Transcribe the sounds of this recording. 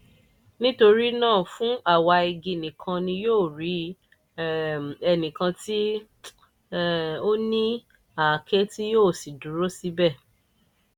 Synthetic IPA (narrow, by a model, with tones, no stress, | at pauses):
nĩ˦to˧ɾi˦nãː˦˨fũ˨˦ʔa˦˨wa˧i˧ɡi˧nĩ˨kʰã˧nĩ˧joː˦˨ɾi˨˦ | ɛ˧nĩ˨kã˧ti˦ | o˦nĩ˦ | a˨kʰe˦ti˦joː˦˨si˨dũ˨˦ɾo˦si˦bɛ˦˨